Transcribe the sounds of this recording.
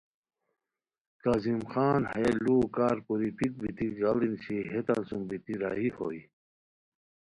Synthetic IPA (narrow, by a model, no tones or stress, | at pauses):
kazimxaːnhɐjelluːkaːɾpuɾipik̚bit̪iɡɐlinɕiɦet̪a̰nsumbit̪iɾa̰ːɦiho̰i